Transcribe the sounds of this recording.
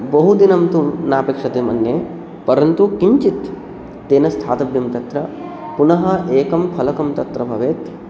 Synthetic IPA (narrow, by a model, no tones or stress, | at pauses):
bɐɦud̪inɐmt̪umnaːpeːkʂɐt̪emɐ̰nje | pɐɾɐnt̪ukiɲt͡ʃit̪ː | eːnɐst̪ʰaːt̪ɐbjɐmt̪ɐt̪ɾɐ | punɐɦɐeːkɐmpʰɐlɐkɐmt̪ɐt̪ɾɐbʱɐʋeːt̪